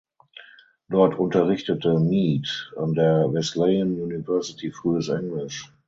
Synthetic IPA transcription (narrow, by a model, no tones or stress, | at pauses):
d̥ɔɐtʰʔʊntɐʁɪçtətəmiːta̰ndeːɐvɛslɛənjunivɛɐsɪtʰifʁ̥yːəsʔɛŋlɪʃ